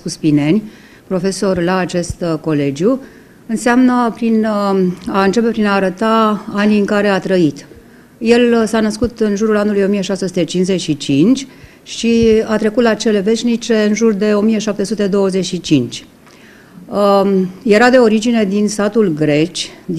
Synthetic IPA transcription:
kuspine̞nʲ | pɾo̞fe̞so̞rlaːt͡ʃe̞st̪ko̞le̞d͡ʒʲju | ɨnseamnəpɾin | aɨnt͡ʃe̞pe̞pɾinaːɾət̪aaniɨŋkaɾe̞at̪ɾəit̪ | je̞lsanəskut̪ɨnʒuɾulanulujo̞mije̞ʃasesut̪e̞t͡ʃinsze̞ʃit͡ʃint͡ʃʲ | ʃiat̪ɾe̞kut̪lat͡ʃe̞le̞ve̞ʃʲnit͡ʃe̞ɨnʒurd̪e̞o̞mije̞ʃap̚t̪e̞sut̪e̞d̪o̞wəze̞ʃit͡ʃint͡ʃʲ | je̞ɾad̪e̞o̞ɾid͡ʒined̪inst̪at̪ulɡɾe̞t͡ʃ̪ʲ

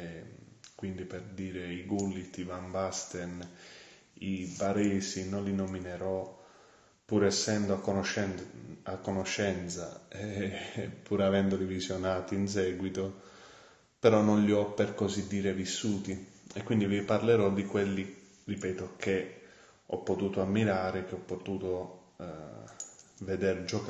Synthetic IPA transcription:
ɛkwind̪iperd̪iːɾeiɡulːit̪ivambast̪ɛn | ibaɾɛːsinonlinomineɾɔ | pːuːɾɛsːɛnd̪oakːonoʃɛakːonoʃːɛnt̪sa̰ɛ | pːuːɾavɛnd̪od̪ivizjonaːt̪iːns̬ɛːɡwit̪o | peɾɔnːonʎiɔpːerkozid̪ːiːɾevisːuːt̪iekwind̪iviparleɾɔd̪ikwelːi | ripɛːt̪ok̟e | ɔ̰pːot̪uːt̪oamːiɾaːɾek̟ːeɔpːot̪uːt̪o | ved̪eɾd͡ʒɔk

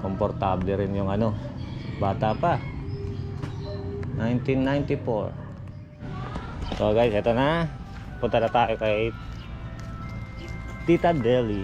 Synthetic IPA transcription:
kɔmpɔrt̪ablɛɾinjɔŋanobat̪aːpa | najnt̪inːajnt̪ipɔ̰r | soaɡajsat̪ana | put̪adat̪aʔɛkait̪ | t̪it̪adeli

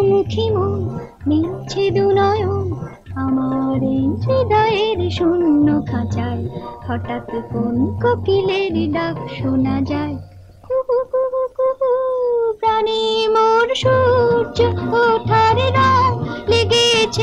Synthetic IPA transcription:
mukʰimo | mint͡ɕʰed̪unɔjo | amaɾenʃed̪ʱɔeɾʃunːokʰãt͡ɕahɔʈat̪ekonkokileɾɖakʃonad͡ʑae | kukukukukukupɾanimoɾʃuɾd͡ʑooʈʰaɾɾaleɡet͡ɕʰe

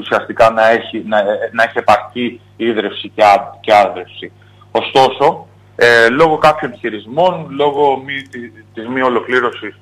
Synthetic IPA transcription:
usiɐst̪ikɐnɐe̞çinɐnɐeçie̞pɐɾci | iðɾe̞fsiceɐceɐðɾe̞fsi | o̞st̪o̞so̞ | elo̞ɣo̞kɐpço̞nçiɾizmo̞nlo̞ɣo̞mit̪it̪izmio̞lo̞kliɾo̞sis

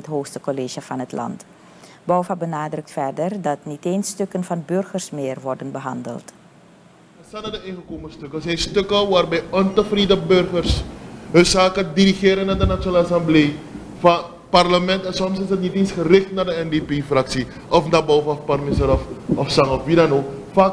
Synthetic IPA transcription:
ətɦoːxstəkoleːʒəfɑnɦətlɑ̰nt | bɔwfabənaːdrɵk̚tfɛrdərdɑtniteːnstøkənvɑnbørχərsmɪːrʋɔrdənbəɦɑ̰ndə̰lˠt | əsanadəeχəkoːməstøkəsɛjnstøkəʋaːrbɛjɔntəfridəbørɣərsɦøsaːkədiɾiχeːɾənadənat͡ʃonaːlsambleː | fa | parləmɛntɛnsɔmsɪsətniteːnsχərɪχtnadəɛndepeːfraksi | ʔɔfndabɔwfaɔfparmɪsəɾɔfɔfsaŋɔfʋidanofaːk

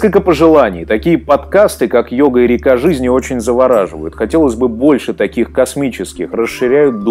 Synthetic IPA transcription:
kəlʲkəpəʐɨlˠanʲɪ̰jt̪ɐkʲijəpɐt̪kast̪ɨkakjo̞ɡəɪɾʲɪkaʐɨzʲnʲɪo̞t͡ɕɪnʲzəvɐɾaʐɨvə̰jʊt̪xɐtʲelˠəzʲbɨbo̞lʲʂɨt̪ɐkʲixkɐsmʲit͡ɕɪskʲɪxrəsːɨɾʲæjʊt̪̚d̪

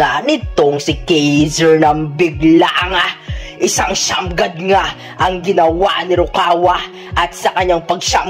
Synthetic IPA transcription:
anɪt̪oŋsɪkɛjzɛɹnɐŋbɪɡlaʔɐŋaʔɪsaŋʃa̰mɡɐd̪̚ŋa | ʔɐŋɡɪnɐwaʔnɪɾʊkaːwɐ | ʔɐt̪̚sɐkɐɲaŋpɐɡʃam

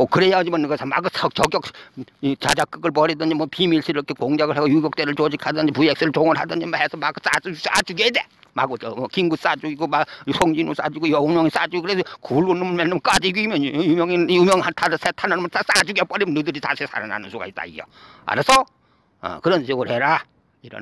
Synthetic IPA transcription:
okɯɾejad͡ʑimankesʰʌma̰ɡɯsʌk̚t͡ɕʌɡjʌk̚ | t͡ɕad͡ʑak͈ɯɡɯɭp̬ʌɾidʌnd͡ʑimʌpimiɭsʰiɾʌkʰekoŋd͡ʑaɡɯɭɦaɡojuɡjʌk̚t͈eɾɯɭt͡ɕod͡ʑikʰadʌnd͡ʑipujek̚s͈ɯɾɯɭt͡ɕoŋɯɾɦadʌnd͡ʑimahesʰʌmaɡɯs͈asa̰d͡ʑuɡed̪e | ma̰ɡot͡ɕʌmʌkiŋɡus͈ad͡ʑuɡiɡomasʰoŋd͡ʑinos͈a̰d͡ʑuɡojʌumjʌŋis͈ad͡ʑuɡokɯɾesʰʌkuɭɡonːɯmɯmenːɯmk͈ad͡ʑiɡuimjʌnjumjʌŋinjumjʌŋhaɭtʰadsʰetʰanɯnmsas͈ad͡ʑuɡʌp͈ʌɾimʌnɯdɯɾita̰sʰisʰa̰ɾana̰nɯnsʰuɡa̰is͈a̰ḭʌ̰a̰ɾasʰʌ | ʌ̰kɯɾʌnsʰeoɡɯɭheɾa | iɾʌ̰n

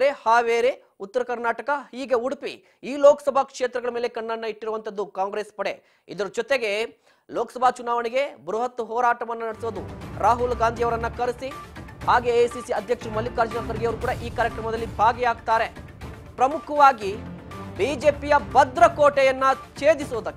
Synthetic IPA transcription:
ɾehaːʋeːɾe | ut̪ːɐɾɐkɐɾnaːʈɐkɐhiːɡe̞uɽpḭ | iːloːkɐ̥sɐbʱakʂeːt̪ɾɐɡɐɭɐme̞ːle̞kɐɳːɐnːɐiʈːiɾuʋɐnt̪ɐd̪ːukaːŋɡɾeːspɐɽe | id̪ɐɾud͡ʒɔt̪eɡe̞ | loːkɐsɐbʱat͡ʃunaːʋɐniɡe̞bɾuɦɐt̪ːuɦɔːɾaːʈɐʋɐnːɐnɐɽesuʋod̪uɾaːɦulɡaːnd̪ʱijɐʋɐɾɐnːɐkɐɾisihaːɡeesisiɐd̪ʱjɐkʂumɐlːikaːɾd͡ʒɐnakɐɾɡijɐʋɐɾukuːɽaʔiːkaːɾjɐkɾɐmɐd̪ɐlːibʱaːɡɛjaːɡt̪aːɾe | pɾɐmukʰɐʋaːɡibiːd͡ʒe̞ːpijɐbɐd̪ɾɐkoːʈɛjɐnːɐt͡ʃeːd̪isuːd̪ɐkːe

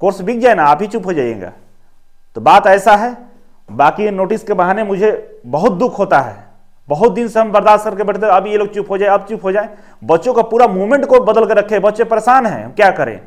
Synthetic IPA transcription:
koːɾsbʱik̚ʰd͡ʒaːenaaːpɦit͡ʃupɦod͡ʒaːḛ̃ŋɡa̰ː | t̪obaːt̪ɛːsaɦɛː | baːkinoːʈiskebɐɦaːnemʊd͡ʒʱebɐɦʊt̪̚d̪ʊkʰɦoːt̪aɦɛ̰ː | bɐɦʊt̪̚d̪ɪnseɦɐmbɐɾd̪aːssəɾkebɛːʈʰt̪eɐbʱijeloːɡ̚t͡ʃupɦod͡ʒaeɐb̚t͡ʃupɦod͡ʒaːẽ | bɐtːʃõkapuːɾamuːʋmẽɳʈkobɐd̪əlkəɾɐkʰẽbɐtːʃẽpɾeːsaːnɦɛ̰̃kjaːkɐɾḛ̃ː

